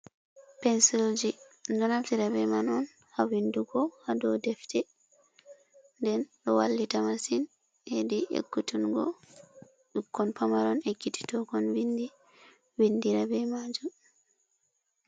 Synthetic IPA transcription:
pɛnsild͡ʒindɔnatiɾabɛmanɔn | hawinduɡɔhadɔdɛftɛ | ndɛnɗɔwalːitamasin | ediʔḛkːutunɡɔ̰ | ukːɔnpamaɾɔnekːiti̥tɔɡɔnwindi | windiɾabɛmad͡ʒum

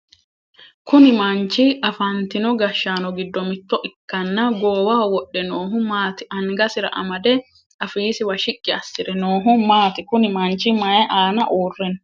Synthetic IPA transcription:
kʊnɪmɐnt͡ʃːɪɐfɐnt̪ɪnɔɡɐʃːaːnɔɡɪd̪ːɔmɪt̪ːɔʔɪkːɐnːɐɡoːwaːwɔɗːɛnoːɦʊmaːt̪ɪʔɐŋɡɐsɪɾɐ̰ʔɐ̰mɐd̪ɛ | ɐfiːsɪwɐʃɪkʼːɪɐsːɪɾɛnoːɦʊmaːt̪ɪkʊnɪmɐnt͡ʃːɪmɐjɛʔaːnɐʔuːrːɛn

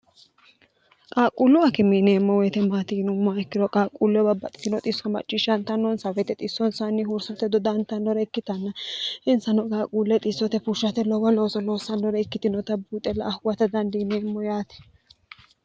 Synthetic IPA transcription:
kʼaːkʼulʊɐkɪmineːmːɔwɛt̪ɛmaːt̪iːnʊmːaɛkːɪdɔkʼaːkʼːulːɛbɐbɐt̪ʼɪ̥t̪ɪnɔt̪ʼɪsɔmɐ̰t͡ʃʼːɪʃɐnt̪ɐnːɔnsɐwɛt̪ɛt̪ʼɪsːɔnsanːɪɦʊɾsɐt̪ɛd̪ɔd̪ɐnt̪ɐnːɔɾɛɪkːɪt̪ɐnːɐɪnsɐnɔkʼaːkʼuːlːɛt̪ʼɪsːɔt̪ɛfuʃɐt̪ɛlɔɡɔlo̞ːsɔlo̞ːsɐnːɔɾɛɪkːɪt̪ɪnɔt̪ɐbuːt̪ʼɛlɐ̰ʔːhʊwɐt̪ɐd̪ɐnd̪ineːmːɔjaːt̪ɛ̥

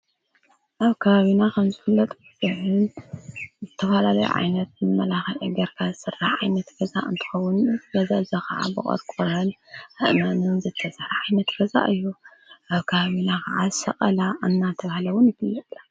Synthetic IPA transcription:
ʔaβkʰɐβaβinakʰɐmzɨfɨlːɐt̪ʼɨzɨħɨn | zɨt̪ʰɐfalalɐjṵʕa̰jnɐt̪mɨmːɐlaxɐʔɨɡɐɾkʰazɨsɨrːaħʕajnɐt̪ɡ̥ɐza̰ʔɨnt̪ʰɨ̥xɐwʊnɡɐzaɨzakʰɐ̰ʕa̰bɨχʼɐ̰ɾkʼoɾɐnʔɨʔmanunzɨt̪ʰːɐsɾɐʕajnɐt̪ɡ̥ɐza̰ʔɨjːu | ʔaβkʰɐβaβinakʰaʕazɨsɐ̰qʼɐlaʔanːat̪ʰɐβahlɐwʊnjɪkɨlːɐlːa

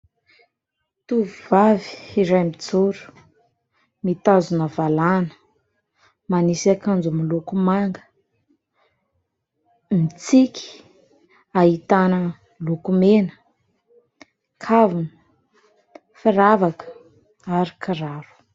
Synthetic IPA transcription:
t̪uvuvavi̥iɾajmid͡zuɾu̥ | mit̪azunəvalanə̥ | manisakand͡zumilukumaŋɡə̥ | mit͡siki̥ | aɦit̪anə | lukumenə̥ | kʰavuni | fiɾavakə̥ | aɾikʰiɾaɾu̥

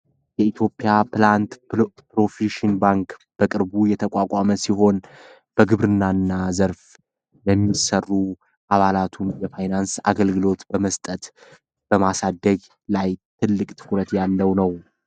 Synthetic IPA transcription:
jɛit̪ʰjo̞pʼɪjaplant̪pɾo̞fiʃɪnbaŋkb̥əkʼɨɾbujɛt̪ʰəkʷʼakʷʼaməsiɦo̞n | b̥əɡɨβɾɨnːanːazəɾf | ləmːisərːu | ʔaβalat̪ʰunjɛfajnansa̰ɡəlɡɨlo̞t̪bəməst̪ʼət̪ | b̥əmasad̪əɡ | lajt̪ʰɨlːɨkʼt̪ʰɨ̥kʼɾət̪jalːəwnəw

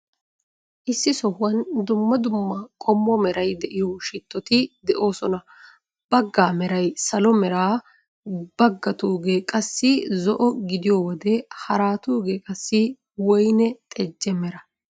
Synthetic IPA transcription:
ʔɪsːɪsɔhʊwɐnd̪ʊmːɐd̪ʊmːɐkʼɔmːɔmɛɾɐjd̪ɛʔɪjɔʃɪt̪ːɔt̪ɪd̪ɛʔo̞ːsɔnɐ | b̥ɐɡːaːmɛɾɐjsɐlɔmɛɾaː | b̥ɐɡːɐt̪uːɡeːkʼɐsːɪzɔʔɔɡɪd̪ɪjɔwɔd̪ɛhɐɾaːt̪uːɡeːkʼɐsːɪ | wɔjnɛt̪ʼɛd͡ʒːɛmɛɾɐ

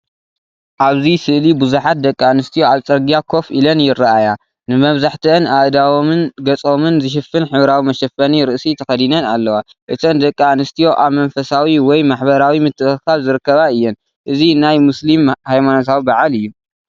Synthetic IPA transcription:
ʔaβzisɨʔlibɨzuħat̪̚d̪ɐkʼːianɨst̪ʰijo̞alt͡sʼɐɾɡijakʰo̞fʔilɐnjɪrɐaja | nɨmɐβzaħt̪ʰiʔɨnaʔd̪awɨnɡɐt͡sʼomɨnzɨʃ̬ɨfɨnħɨβɾawimɐʃɐfɐniɾɨʔsit̪ʰɐxɐd̪inɐnalːɐwa | ʔɨt̪ʰɐnd̪ɐkʼːianɨst̪ʰijo̞ʔaβmɐnfɐsawiwɔjmaħbɐɾawimɨt̪ʰːɨkʰalzɨɾɨkːɐβaɨjːɛn | ʔɨzinajmuslimhajmanot̪ʰawibaʕalɨjːu

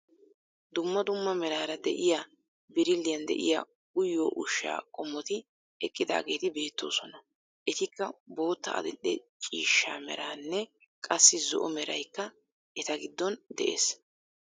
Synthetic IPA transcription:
d̪ʊmːɐd̪ʊmːɐmɛɾaːɾɐd̪ɛ̰ʔɪjaː | bɪɾɪlːɪjɐnd̪ɛ̰ʔɪ̰ja̰ | ʊjːoːʔʊʃːa̰ːkʼɔmːɔt̪ɪ | ɛkʼːɪd̪a̰ːɡe̞ːt̪ɪbe̞ːt̪ːo̞̰ːsɔnɐ | ʔɛt̪ɪkːɐbo̞ːt̪ːɐ̰ɐ̰d̪ɛɗːɛt͡ʃʼiːʃːa̰ːmɛ̰ɾaːnːɛ | kʼɐsːɪzɔ̰ʔɔmɛɾɐjkːɐ | ʔɛt̪ɐɡɪd̪ːɔnd̪ɛʔe̞̰ːs

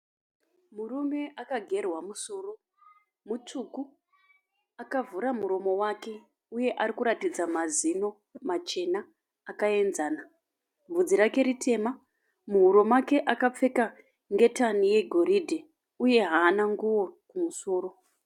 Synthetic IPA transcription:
murume̞akaɡʱe̞rwamusoːro | mut͡suku | akavuɾamuɾo̞mo̞wake̞ | uje̞ʔaɾikuɾatid͡zamazino̞ | mat͡ʃe̞naː | kae̞nzaːna | vud͡ziɾake̞ɾitʰe̞ma | muɦuɾo̞make̞ʔakap͡fe̞ka | ŋɡe̞tanije̞ɡʱo̞ɾidʱe | uje̞ɦaːnaŋɡuwo̞kumuso̞ːro̞

